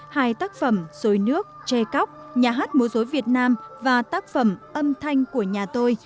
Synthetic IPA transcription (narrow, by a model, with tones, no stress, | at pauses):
haː˧jt̪aː˦˥k̚fə˧˩mz̥o˨˦jnɨ˦˥ək̚t͡ɕe˧ka˦˥wk͡p̚ | ɲaː˨˩ɦaː˦˥t̚mu˨˦əzo˨˦jvi˨˩ət̚naː˧mvaː˨˩t̪aː˦˥k̚fə˧˩mʔə˧mt̪ʰa˧jŋ̟ku˧˩əɲaː˨˩t̪o˧j